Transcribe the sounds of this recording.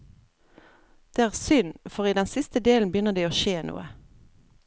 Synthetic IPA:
d̪̥eːæːʁsʏnfɔʁiːd̪ɛnsɪst̪əd̪eːln̩bjʏnəʁd̪eːoːʃeːnṵːə

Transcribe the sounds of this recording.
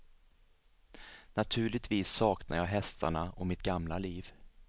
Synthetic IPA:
nat̪ʰʉ̟ːɭɪt̪ʰviːsːɑːknʔajɑːɦɛst̪ʰa̰ɳaɔmɪt̪̚ɡamlaliːv

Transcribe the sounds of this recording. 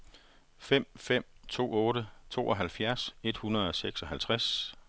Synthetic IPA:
fem̰fem̰t͡sʰo̝̰ːɔ̽ːɾət͡sʰo̝̰ːɒɦælfjæɐse̝d̥hunɐð̞ˠɒ̽seɡ̥sɒ̽ɦælt͡sʰʁas

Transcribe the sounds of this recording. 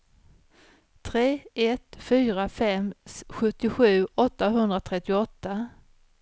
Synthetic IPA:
t̪ʰɾeːɛt̪fyːɾafɛmsɧɵt̪ːɪɧʉ̟ːɔt̪ːaɦɵnd̪ɾat̪ʰɾɛt̪ːɪɔt̪ːa

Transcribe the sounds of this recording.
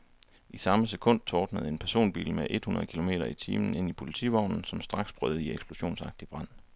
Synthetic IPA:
ʔisɑ̈məs̬ekʰɔ̽n̰d̥̚t͡sʰɒːd̥nəð̩ˠe̝npʰæɐso̝̰ːnb̥ḭːlmeʔe̝d̥hunɐðˠkʰilo̝me̝̰ːɾɐit͡sʰiːmn̩e̝n̰ipʰo̝lit͡sʰḭːʋɑʊ̰nn̩sɒ̽msd̥ʁɑ̈ɡ̥sb̥ʁœð̞̩ˠieɡ̥sb̥lo̝ɕo̝̰ːnsɑ̈ɡ̥̚d̥ib̥ʁɑ̈n̰

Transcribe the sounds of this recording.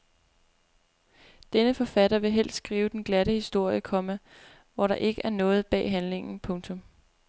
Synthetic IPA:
d̥enəfɒ̽fæɾɐʋe̝ɦel̰ssɡ̥ʁiːʊd̥enɡ̥læɾəhisd̥o̝ɐ̰jəkʰɒ̽mæ | ʋɒɾ̥ɑ̈ʔe̝ɡ̥əʔæɐnɔ̽ːð̞̩ˠb̥ɛ̰ːɦænle̝ŋn̩pʰɔ̽ŋt͡sʰɔ̽m

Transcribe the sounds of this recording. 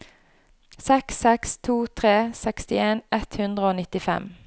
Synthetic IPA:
sɛksɛkst̪ʰuːt̪ʰʁeːsɛkst̪ɪeːnɛt̪hʉnd̪ʁəoːnɪt̪ɪfɛ̰m

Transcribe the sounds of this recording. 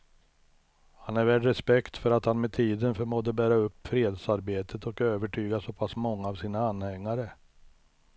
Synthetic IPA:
hanæɾvæːɖɾɛspɛkt̪fœɾat̪hanmɛt̪ʰiːd̪ənfœɾmoːd̪əbæːɾaɵpːfɾeːd̪saɾbeːt̪ʰət̪ɔkøːvəʈʰyːɡasɔpʰasmɔŋːaːvsiːnaanːhɛŋːaɾə

